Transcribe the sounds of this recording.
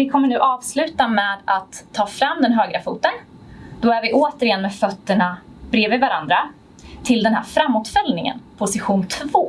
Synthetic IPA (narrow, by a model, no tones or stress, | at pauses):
vɪkʰɔmːəɳʉ̟ːʔɑːvslʉ̟ːt̪amɛːd̪at̪ʰːɑːfɾamːd̪ɛnɦøːɡɾafuːt̪ən | d̪̥ɔæɾvɪʔoːt̪əɾɪjɛnːmɛːfœt̪ːəɳabɾeːvəvaɾand̪ɾa | t̪ʰɪld̪ɛnhæ̰ːɾfɾamːʊt̪fɛlnɪŋə̰npʰʊsɪɧuːnt̪ʰvoː